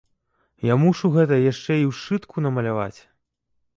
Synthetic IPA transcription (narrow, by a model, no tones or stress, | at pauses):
jamuʂuɣɛt̪ɐjaʂt͡ʂɛiwʂt͡ʂɨt̪kʰunɐmɐlʲava̰t͡sʲ